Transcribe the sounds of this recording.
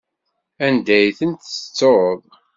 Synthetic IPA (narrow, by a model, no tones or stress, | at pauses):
ænd̪æjθənt̪ə̥t͡sːoɾəðˤ